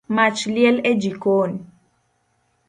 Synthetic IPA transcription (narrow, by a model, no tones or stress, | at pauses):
mat͡ʃljɛlɛd͡ʒikon